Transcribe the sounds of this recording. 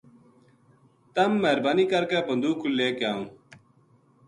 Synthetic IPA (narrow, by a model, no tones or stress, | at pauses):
t̪ɐmːeɦɾbaːniːkɐɾkeːbənd̪uːkuleːkjaːũː